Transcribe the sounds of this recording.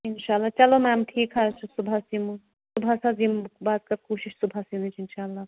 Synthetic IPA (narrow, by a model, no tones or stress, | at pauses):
ɪnʃaːɐlːaːt͡ʃɐlomɛ̃mʈʰiːkɦaːt͡ʃʰusʊbʱasimu | sʊbʱasazimbaːd̪kɐɾkuːʃiʃsʊbʱaːsimut͡ʃʰɪnʃaːlːaː